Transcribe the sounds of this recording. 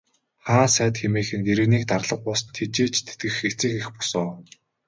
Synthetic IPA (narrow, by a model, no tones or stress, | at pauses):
χaːnsæːt̪xemeːxɘ̆neɾɘ̆ɣniːk̚t̪arɮə̆q̚pʊːsə̆nt̪ʰet͡ɕeːt͡ɕt̪ʰe̥t̪ɡɘ̆xet͡seːxexpɔ̥sɔː